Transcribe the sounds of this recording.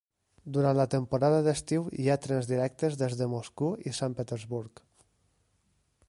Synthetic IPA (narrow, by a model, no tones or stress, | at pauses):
d̪uɾant̪lət̪əmpuɾaðəðəst̪iwḭat̪ɾɛnzðiɾɛk̚t̪əzðezðəmoskuḭsampət̪əɾzβuɾk